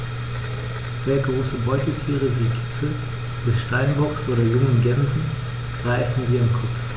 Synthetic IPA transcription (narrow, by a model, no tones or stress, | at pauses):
z̥eːɐɡʁoːsəbɔʏtl̩tʰiːʁ̞əviːkʰɪ̥sl̩ | vɪʃtaɪnbɔksʔoːɾɐjʊŋənɡɛnzn̩ | ɡ̥ʁaɪfn̩ziːamkʰɔpp͡f